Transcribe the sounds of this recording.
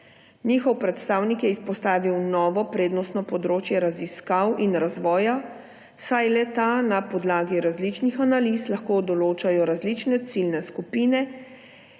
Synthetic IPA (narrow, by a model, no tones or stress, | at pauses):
niːxɔwpɾɛt̪st̪aːwnikjɛispɔst̪aːʋiwnɔːʋɔpɾeːd̪nɔst̪nɔpɔd̪ɾoːt͡ʃjɛɾaziskawinɾazʋɔːja | sajlɛt̪anapɔd̪laːɡiɾazlit͡ʃnixanalislaxkoːd̪ɔloːt͡ʃajɔɾazlit͡ʃnɛt̪silnɛskupiːnɛ